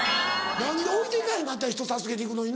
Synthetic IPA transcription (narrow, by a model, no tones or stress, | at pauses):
naɲ̟ioɾit̪eikainat̪̬ːaçi̥t̪o̞sasɨɡe̞t̪e̞ikɯno̞ɲ̟in